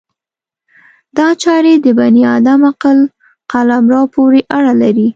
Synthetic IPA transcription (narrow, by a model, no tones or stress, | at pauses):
d̪ɑt͡ʃɑɾed̪əbaniɑd̪amaqəl | qalamɾɑpoɾeʔaɽalaɾi